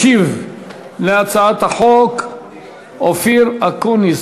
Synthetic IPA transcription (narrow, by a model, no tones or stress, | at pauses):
iv | leat͡saat̪haħok | ofiɾakuniz